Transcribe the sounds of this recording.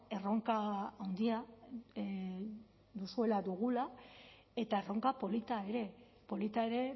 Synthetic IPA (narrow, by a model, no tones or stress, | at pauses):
e̞ro̞ŋkaːwnd̪ia | d̪usue̞laðuɣ̞ula | e̞t̪aero̞ŋkapo̞lit̪ae̞ɾe̞ | po̞lit̪ae̞ɾe̞